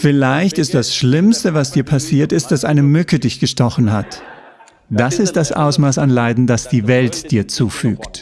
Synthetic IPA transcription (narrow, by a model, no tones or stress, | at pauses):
fɪlaɪçtɪstd̥asʃlɪmstəvasd̥iːɐpʰasiːɐtɪst̚d̥asʔaɪnəmʏkədɪçɡ̥əʃtɔχn̩ɦat | d̥asɪst̚d̥asʔa̰ʊsmaːsanlaɪdn̩dasd̥iːvɛltd̥iːɐt͡suːfy̰ːkt